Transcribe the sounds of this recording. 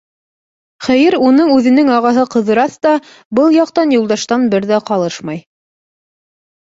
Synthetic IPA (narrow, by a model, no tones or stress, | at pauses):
χæjɘɾunɤɴʉðɘ̆nɘŋɑʁɑɦɤqɤ̆ðɤ̆ɾɑθt̪ɑ | bɤlˠjɑqt̪ɑnjulˠd̪ɑʃt̪ɑnbɘɾðæqɑlˠɤʃmɑj